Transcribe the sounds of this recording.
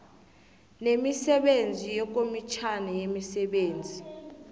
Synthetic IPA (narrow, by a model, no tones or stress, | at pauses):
nemisɛɓend͡zʱijɛk̬ʼomit͡ʃʰanɛjemisɛɓeːnd͡zʱi